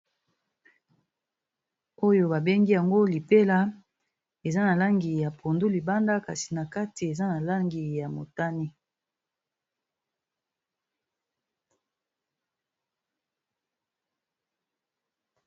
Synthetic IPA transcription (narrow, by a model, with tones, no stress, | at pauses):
o˦jo˦ba˨be˦ŋɡi˦ja˨ŋɡo˦li˨pe˦la˦ | e˨za˦na˨la˦ŋɡi˨ja˨pʰo˨ndu˦li˨ba˦nda˦ka̰˨si̥˨na˨ka˦ti˨e˨za˦na˨la˦ŋɡi˨ja˨mo˨ta˦ni˦